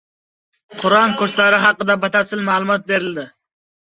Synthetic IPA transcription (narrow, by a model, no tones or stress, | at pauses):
qʰʊɾɒnkʰɵʃlaɾɪɦɑqːɨd̪abat̪ʰaɾsɪlmaːlˠʊmɒt̪̚be̞ɾɪld̪ɪ